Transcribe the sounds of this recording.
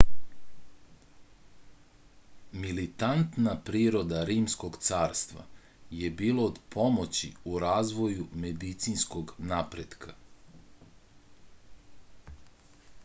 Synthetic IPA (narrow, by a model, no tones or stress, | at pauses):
milit̪ant̪napɾiːɾo̞d̪aɾiːmsko̞ɡt̪saːɾst̪ʋa̰ | je̞biːlood̪pʰo̞mo̞t͡ɕḭuɾaːzʋo̞jume̞d̪it̪sinsko̞ɡnapɾed̪kʰa